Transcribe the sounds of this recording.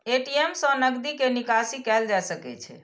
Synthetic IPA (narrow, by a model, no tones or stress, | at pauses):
eʈiemsə̃nəɡd̪ikenikasikɛld͡ʒajsəkɛ̰t͡ʃʰɛ̰